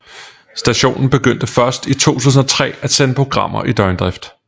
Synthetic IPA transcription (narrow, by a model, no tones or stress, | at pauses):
sd̥æɕo̝̰ːnn̩b̥e̝ɡ̥øn̰d̥əfɶɐsd̥it͡sʰo̝̰ːt͡sʰṵːs̬n̩ɒ̽t͡sʰʁɛ̰ːæd̥senəpʰʁo̝ɡ̥ʁɑ̈m̰ɐ̰ʔid̥ɒɪnd̥ʁɛfd̥